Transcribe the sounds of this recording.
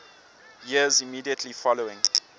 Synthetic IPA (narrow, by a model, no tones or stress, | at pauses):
jiəzimiːdiətʰlifɔloɪ̃ŋ